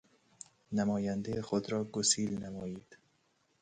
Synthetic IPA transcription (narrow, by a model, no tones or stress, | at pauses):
næmɒːjænd̪ejxod̪ɾɒːɡosiːlnæmɒːjiːd̪̥